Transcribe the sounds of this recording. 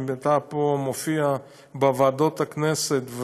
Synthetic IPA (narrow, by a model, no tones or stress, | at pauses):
bet̪apomofia | bavad̪ot̪akneset̪v